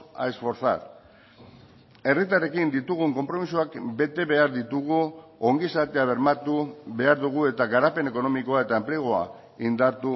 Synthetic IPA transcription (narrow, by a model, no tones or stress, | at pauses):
a̰esfo̞ɾθa̰ɾ | e̞rit̪̬aɾe̞kind̪it̪uɣ̞uŋko̞mpɾo̞misuakbe̞t̪e̞βe̞aɾðit̪uɣuo̞ŋɡisat̪eaβ̞e̞ɾmat̪uβe̞aɾðuɣ̞ue̞t̪aɣaɾape̞ne̞ko̞no̞miko̞ae̞t̪ae̞mple̞ɣ̞oa̰ | ind̪aɾt̪u